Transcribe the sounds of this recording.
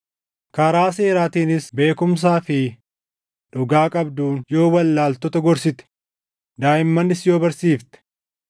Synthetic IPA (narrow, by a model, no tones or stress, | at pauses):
kɐɾaːse̞ːɾaːt̪iːnɪsbe̞ːkʊms̬aːfɪ | ᶑʊɡaːkʼɐbd̪uːnjo̞ːwɐlːaːlt̪ɔt̪ɐɡɔɾsɪt̪ɛ̥ | d̪aːʔɪmːɐnːɪsjo̞ːbɐɾsiːft̪ɛ̥